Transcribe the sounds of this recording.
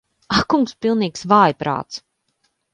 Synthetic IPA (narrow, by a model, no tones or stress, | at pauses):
akuŋkspilˠniːksvaːjpɾa̰ːt̪s